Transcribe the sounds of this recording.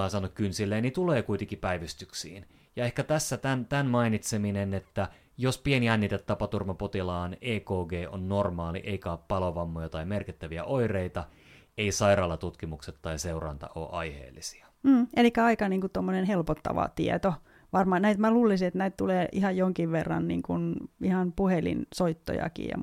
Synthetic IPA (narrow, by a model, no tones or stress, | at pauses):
ɑsɑnukkynsilːeːnit̪uleːkuit̪eŋkipæiʋist̪yksḭːn | jɑehkæt̪æsːæt̪ænt̪ænmɑinit̪seminenet̪ːæ | jospieniænːit̪et̪t̪ɑpɑt̪urmɑpot̪ilɑːneːkoːɡeːʔo̰nːormɑːlḭʔeikæoppɑloʋɑmːojɑt̪ɑimerkit̪ːæʋiæ̰ʔoireit̪ɑ | eisɑirɑːlːɑt̪ut̪kimukset̪tːɑiseurɑ̰nt̪ɑ̰o̰ːʔɑ̰ihḛːlːisi̥ɑ | m̩ːelikːˑæɑikɑniːŋkut̪omːonenhelpot̪ːɑ̰ʋɑ̰t̪ḭɛ̰t̪o | ʋɑrmɑnæit̪mæluːlisiet̪næit̪t̪uleːʔihɑjjoŋkiʋʋerːɑ̰nnḭːŋkunihɑnpuhelḭnsoit̪ːo̰jɑ̰kḭːjɑ̰